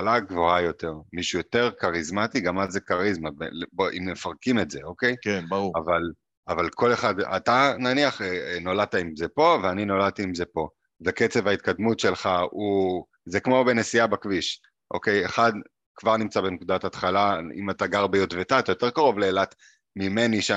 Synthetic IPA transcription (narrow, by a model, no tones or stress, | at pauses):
alaɡvoajo̞te̞ʁmiʃujo̞t̪e̞ʁkaʁizmat̪iɡamazekaʁizmabḛlboʔimːefaʁkime̞tzeo̞ke̞jkaval | avalkʰo̞le̞χad̪a̰t̪ananiaχenolat̪aimzepo̞veaninolat̪iːmze̞po̞ | veket͡sevhait̪̚kad̪mutʃe̞lχau | zekmo̞benesiabakviʃ | ʔo̞̰ke̞jeχad̪ | kvaʁnimt͡sabenkud̪athat̪χalaḭmataɡaʁbejotvet̪aːt̪ajot̪e̞ʁkaʁo̞vleːlat̪ | mime̞niʃa